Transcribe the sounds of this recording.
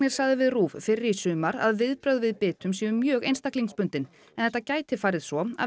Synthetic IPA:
nɪɾ̥saɣðɪvɪðruːvfɪrːɪisʏːmaɾa̰ðvɪðpɾœwðvɪðpɪːt̪ʏmsiːmʏːjœːɣejnst̪akliŋspʏnt̪ɪn | ɛnθɛt̪ːacaːjt̪ɪfaːɾɪðsɔa̰

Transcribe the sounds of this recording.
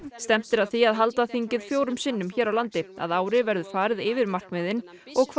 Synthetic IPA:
st̪ɛm̥t̪ɪɾaðθiaðɦal̪t̪aθiɲcɪðfjoːwɾʏmsɪːnːʏmçɛːɾawlant̪ɪa̰ðaːwɾɪvɛɾðʏfaːɾɪðɪːvɪɾmar̥kmɪːðɪn | ɔɣkʰv

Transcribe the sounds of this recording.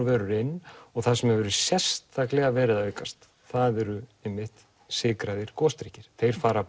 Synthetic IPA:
vɛːɾʏɾɪnːɔɣθasɛmɛvɛɾʏsjɛ̥st̪ʰθaklɛɣavɛːɾɪðaœɥkast̪ | θaðɛɾʏɪmːɪht̪ | sɪːkɾaðɪɾ̥kɔːst̪ɾicɪɾ̥θejɾ̥faːɾa

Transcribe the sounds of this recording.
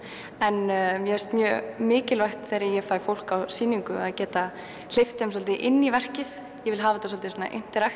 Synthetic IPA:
ɛnmjɛɛɾst̪mjœːmɪːcɪlvajxt̪θeɾɪjɛɣfaːjfowl̥kawsiːniŋkʏaðcɛːt̪a | l̥ɪft̪ɛms̬ɔlt̪ɪʔɪnːivɛr̥cɪθ | jɛvɪlɦaːvat̪as̬ɔlt̪ɪsɔːna̰ʔḛn̥t̪ɪɾajxt̪

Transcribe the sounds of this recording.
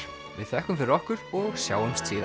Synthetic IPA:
vɪ̰ðθɛhkʏmfɪɾɪɾɔhkʏɾɔɣsjaːwɛmst̪ʰɪð

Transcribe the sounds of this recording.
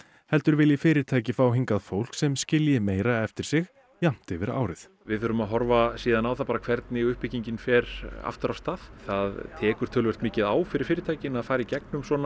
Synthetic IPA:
hɛlt̪ʏɾvɪljɪfɪːɾɪɾ̥t̪ʰaːjcɪfaːwɦiŋkaðfowl̥ksɛmscɪljɪmeːjɾaɛft̪ɪɾ̥sɪx | jam̥t̪ɪvɪɾa̰ːwɾɪθ | vɪðθʏɾʏmaðɦɔɾvasiːðanaːwθapaɾakʰvɛɾt̪nɪʏhpɪciɲcɪnfɛɾa̰ft̪ʏɾast̪aðθaðt̪ʰɛːkʏɾ̥t̪ʰœlvɛr̥t̪mɪːcɪðaːwfɪɾɪɾ̥fɪːɾɪɾt̪ʰaːjcɪnaðfaːɾɪicɛk̚nʏmswɔːna

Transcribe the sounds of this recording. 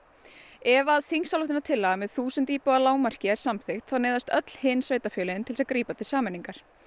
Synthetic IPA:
ɛvaːðθiŋsalʏht̪ɪnat̪ʰɪlːaɣmɛðθuːsənt̪iːpɔɣalaːwmar̥cɪɛɾ̥samθɪxt̪θaðneːðast̪œt̪l̥hɪnsveːjt̪afjœːlɪɪnt̪ʰɪlsaðkɾiːpat̪ʰɪlsaːmɛnːiŋkaɾ̥

